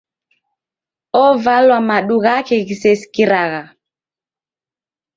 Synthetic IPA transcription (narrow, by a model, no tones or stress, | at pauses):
ɔvalwamaɗuɣakɛɣisɛsi̥kiɾaɣa